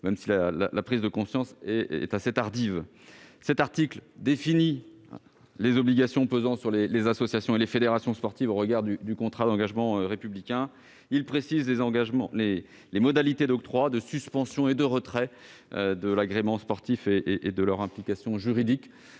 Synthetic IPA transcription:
mɛmsilala̰lapχizd̪əkɔ̃sjɑ̃sɛɛ̰t̪aset̪aʁd̪iv | sɛt̪aʁt̪ikld̪efini | lezɔbliɡasjɔ̃pøzɑ̃syʁlelezasɔsjasjɔ̃elefed̪eʁasjɔ̃spɔʁt̪ivoʁəɡaʁd̪yd̪ykɔ̃t̪χad̪ɑ̃ɡaʒmɑ̃ʁepyblikʲɛ̃ | ilpχesizlezɑ̃ɡaʒmɑ̰̃le | lemɔd̪alit̪ed̪ɔk̚t̪χwad̪əsyspɑ̃sjɔ̃ed̪əʁət̪χɛød̪əlaɡʁemɑ̃spɔʁt̪ifeʔʔːd̪əlœʁɛ̃plikasjɔ̃ʒyʁid̪ik

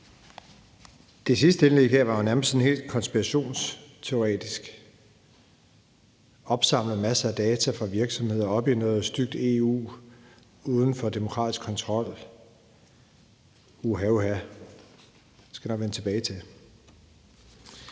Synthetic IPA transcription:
d̥e̝sisd̥əenlḛɡ̥æ̰ʋɑ̈onæɐm̩əsen̩he̝̰ːld̥kʰɒ̽nsb̥iʁɑɕo̝̰ːnst͡sʰe̝o̝ʁɛ̰ːd̥isɡ̥ | ʔɒ̽b̥sɑ̈m̰ləð̩ˠmæsəæd̥ɛːt͡sʰæfʁɑ̈ʋiɐɡ̥sɒ̽mhe̝ð̞̰ˠɐɒ̽b̥inoːðˠsd̥yɡ̥̚d̥e̝ṵː | uːð̞ˠn̩fɒ̽d̥e̝mo̝kʰʁɑ̰̈ːdisɡ̥kʰːɒ̽nt͡sʰʁɒ̽l̰ | uɦæuæ | sɡ̥æ̥inɒ̽ɡ̥ʋenət͡sʰe̝b̥ɛːɪt͡sʰe̝

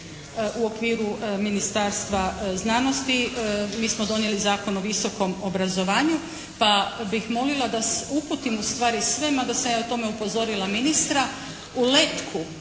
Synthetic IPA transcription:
ʔuo̞kʋiːɾuminist̪aːɾst̪ʋaznano̞st̪imiːsmo̞d̪o̞njelizaːko̞noʋiso̞ko̞mobɾazo̞ʋaːɲu | pabixmo̞lilˠad̪aseuput̪imust̪ʋaːɾisʋe̞mad̪asamjaːot̪o̞me̞upo̞zo̞ɾilaminist̪ɾa | ulet̪kʰu

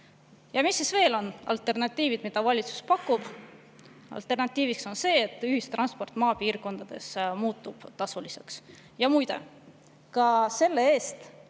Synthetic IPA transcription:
jɑmisːisve̞ːlo̞nɑ̰lt̪e̞rnɑt̪ʲːˑiːvid̪̥mid̪̥ɑvɑlʲit̪su̥spɑkːˑub̥ | ɑ̰lt̪ːˑe̞rnɑt̪ːˑiːvikso̞nse̞ːt̪ːˑyhist̪rɑnspo̞rt̪ːˑmɑːpiːrko̞nd̪̥ɑd̪̥e̞̰smuːt̪ːˑub̥t̪ɑsulise̞ks | jɑmujd̪e̞̰ | kɑse̞lːe̞e̞ːst̪

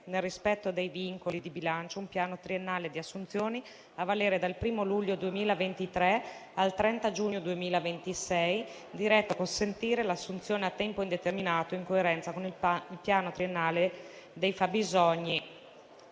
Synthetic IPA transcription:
nelrispɛt̪ːod̪ejviŋkolid̪ibilant͡ʃoumpjaːnot̪ɾienːaːled̪iasːunt̪sjoːni | avaleːɾed̪alpɾiːmoluʎːod̪uemiːlavent̪it̪ɾɛalt̪ɾɛnt̪ad͡ʒuːɲːod̪uemiːlavent̪isɛj | d̪iɾɛt̪ːoakonsent̪iːɾelasːunt̪sjoːneat̪ːɛmpoind̪et̪erminaːt̪oiŋkoeɾɛnt̪sakonililpjaːnot̪ɾienːaːle | d̪ejfabːizɔɲːi

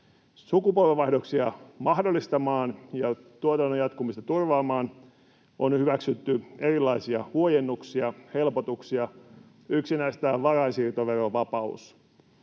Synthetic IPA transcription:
sukupolʋeʋːɑihdoksiɑmɑhdolːist̪ɑmɑːnjɑt̪uot̪ɑnːojɑt̪kumist̪ɑt̪urʋɑːmɑːn | ʔonhyʋæksyt̪ːyerilːɑisiɑhuojenːuksiɑhe̞lpot̪uksiɑ | yksinæist̪æʋɑrɑsiːrt̪oʋeroʋɑpɑṵs

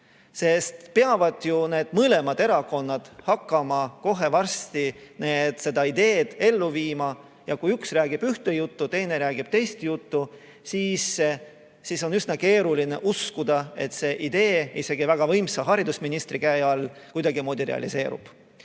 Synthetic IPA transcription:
se̞st̪peɑvɑd̪̥june̞ːd̪̥mɤle̞mɑd̪̥e̞ɾɑko̞nːɑd̪̥hɑkːɑmɑko̞ɦe̞vɑrst̪ine̞ːd̪̥se̞d̪̥ɑid̪e̞ːd̪̥e̞lːuviːmɑ | jɑkujyksræːɡ̥ib̥yht̪ejut̪ːut̪e̞jne̞ɾæːɡ̥ib̥t̪e̞jst̪jut̪ːu | siːs | siso̞nysnɑke̞ːɾulineʔuskud̪̥ɑe̞̰t̪se̞ʔid̪̥e̞ːise̞ɡivæɡ̥ɑvɤ̞jmsɑɦɑɾid̪̥usminist̪ɾikæjɑlːkujd̪ɑɡimoːd̪iɾḛɑ̰lḭse̞ːɾṵb̥

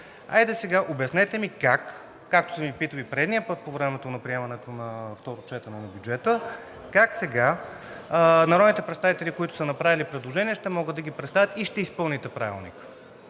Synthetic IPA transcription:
a̰jd̪ɛsɛɡaʔobɛsnɛt̪ɛmikakː | ak̚t̪o̥sɛmipit̪əlipɾɛd̪nijəpɤt̪̚povɾɛmɛt̪onɐpɾiɛmɐnɛt̪onɐft̪ɔɾot͡ʃɛt̪ɐnɛnɐbjud͡ʒɛt̪ə | kaksɛɡa | nɐɾɔd̪nit̪ɛpɾɛt̪st̪avit̪ɛlʲikoit̪ʊ̥sənɐpɾavilipɾɛd̪lˠoʒɛniɛʃt̪ɛmɔɡɤd̪ːɐɡʲipɾɛt̪st̪avʲjət̪iʃt̪ɛispɤlˠnit̪ɛpɾa̰vḭlˠnḭk

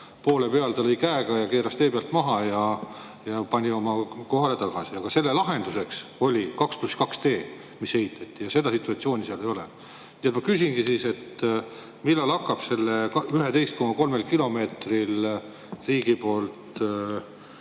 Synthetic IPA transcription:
po̞ːlepe̞ɑlt̪ɑlɤjkæeɡ̥ɑjɑke̞ːɾɑst̪e̞ːpeɑlt̪mɑɦɑjɑ | jɑpɑnʲio̞mɑko̞ɦɑle̞t̪ɑɡ̥ɑsiɑɡ̥ɑse̞lːe̞lɑɦe̞nd̪use̞kso̞lʲikɑkspluskɑkst̪e̞ː | mishe̞hit̪ʰːˑɑt̪ʲːijɑse̞d̪ɑsit̪ːˑuɑt̪sio̞ːnʲiseɑlejo̞lḛ | niːet̪mɑkysʲinɡ̥isiːse̞t̪ | milːɑlɑkˑːɑb̥se̞lːeyɦet̪e̞jst̪̚ko̞mɑko̞lmelkilo̞me̞ːt̪ril | riːɡ̥ipo̞ːlt̪

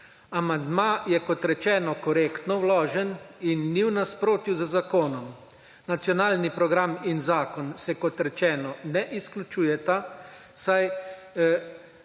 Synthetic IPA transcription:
amand̪maːjɛkɔt̪ɾɛt͡ʃɛːnɔkɔɾeːkt̪nɔwlɔːʒɛninːiwnaspɾoːt̪juzəzakoːnɔm | nat̪sjɔnaːlnipɾɔɡɾaminzaːkɔnsɛkɔt̪ɾɛt͡ʃɛːnɔnɛʔisklʲut͡ʃuːjɛt̪a | saj

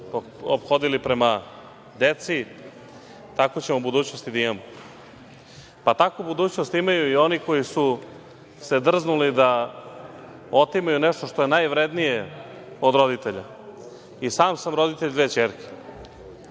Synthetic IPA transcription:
o̰pxo̞d̪ilipɾe̞ma | d̪et̪si | t̪akot͡ɕe̞mobud̪uːt͡ɕnost̪id̪aimamo | pat̪akubud̪uːt͡ɕnost̪imajuio̞niko̞jisu | se̞d̪r̩znulid̪a | ot̪imajuneʂt̪o̞ʃt̪o̞je̞najʋɾe̞d̪nije | od̪ɾo̞d̪it̪e̞ʎa | isaːmsamɾo̞d̪it̪e̞ʎd̪veːt͡ɕeːɾke̥

